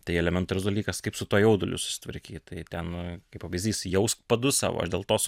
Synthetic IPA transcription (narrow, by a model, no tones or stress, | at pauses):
t̪ɐɪɛlʲɛmʲɛnt̪ʊɾʲʊzd̪ɐlʲiːkɐskɐɪpsʊt̪uɔjɛʊd̪ʊlʲʊ̰sʊ̥sʲɪ̥t̪ʋʲɐ̰ɾʲkʲiːt̪ɐɪt̪ʲɛnkɐɪpɐʋɐɪzʲd̪ʲiːsjɛʊspɐd̪ʊsɑ̰ːʋo̰ːɐ̰ʃdʲeːlˠt̪oːs